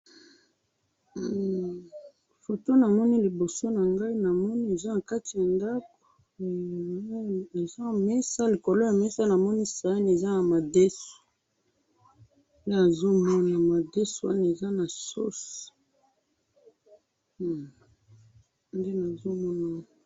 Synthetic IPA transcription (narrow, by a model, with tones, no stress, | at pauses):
fo˨to˦na˨mɔ˦ni˦li˨bo˨so˦na˨ŋɡa˦i˦na˨mɔ˦ni˦e˨za˦na˨ka˦ti˨ja˨nda˦ko̥˨˦ | e˨za˦mɛ˦sa˦li˨ko˨lo˦ja˨mɛ˦sa˦na˨mɔ˦ni˦sa˨a˦n˨e˨za˦na˨ma˨de˦so̥˨ | n˦de˦a˨zo˦mɔ˦na˨ma˨de˦so˨wa̰˦na˨e˨za˦na˨so̰˦s | nde˦na˨zo˦mɔ˦na˨